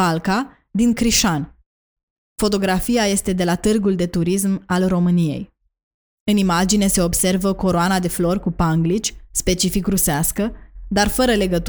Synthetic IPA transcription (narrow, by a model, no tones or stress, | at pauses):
alka | d̪iŋkɾiʃan | fo̞t̪o̞ɡɾafijaje̞st̪e̞d̪e̞lat̪ɨrɡuld̪e̞t̪uɾis̬malro̞mɨnije̞̰j | ɨnimad͡ʒine̞se̞o̞bse̞rvəko̞ɾoanad̪e̞flo̞rkupaŋɡlit͡ʃʲspe̞t͡ʃifikɾuseaskəd̪arfəɾəle̞ɡət̪